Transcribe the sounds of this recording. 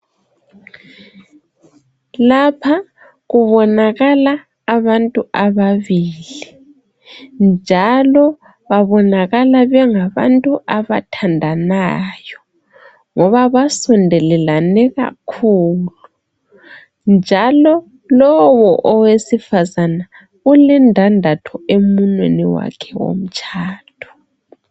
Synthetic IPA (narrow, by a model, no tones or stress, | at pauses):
lapʰa | ɣuβɔnaɣalaː | βantʼuaβaβiːli | nd͡ʒʱalɔ | βaβɔnaɣalaβɛŋaβa̰ntʼuʔaβatʰandʱanajɔ | ŋɔβaβasɔndʱɛlɛlanɛɣa̰kʰuːlu | nd͡ʒʱalɔ | lɔwɔʔɔwesifazana | ɣulɛndʱandʱatʰɔemunwḛniwa̰kʰɛwo̰m̩t͡ʃʰʼaːtʰɔ̥